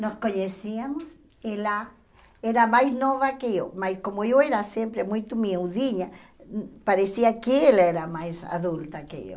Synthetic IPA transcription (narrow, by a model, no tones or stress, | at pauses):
noskoɲesiamos | ela | eɾamajsnoβakejomajskomojoeɾasjempɾemũjt̪umĩuwðiɲa | paɾesiakeelaeɾamajsa̰ðult̪akḛjo̰